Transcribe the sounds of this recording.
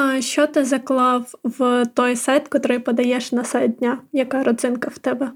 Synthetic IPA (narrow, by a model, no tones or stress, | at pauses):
ʃʲt͡ʃɔt̪ɪzɐklˠɑwwt̪ɔjsɛjt̪kɔt̪ɾɔjpɔd̪ɐjɛʃnɐsɛj̚dʲnʲajɐkɑɾɔd̪zɪnkɐwt̪ɛbɛ